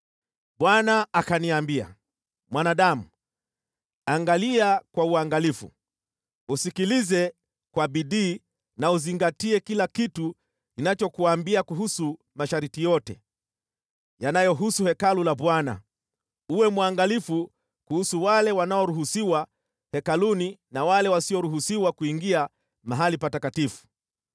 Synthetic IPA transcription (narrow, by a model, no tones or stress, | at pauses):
ɓwanaːkaniambia̰ | mwanaɗamu | aŋɡaliakwauaŋɡalifṵ | usikilizɛ | kwaɓiɗiː | nauziŋɡatiɛkilakitu | kinat͡ʃɔkuaːmbiakuɦusu | maʃaɾitijɔtɛ̰ | janajɔɦusuhɛkalulabwana̰ | uwɛmwaŋɡalifu | kuhusuwalɛwanaɔɾuɦusiwa | hɛkaluninawalɛwasiɔɾuɦusiwakuiŋɡia | maɦalipatakatifu̥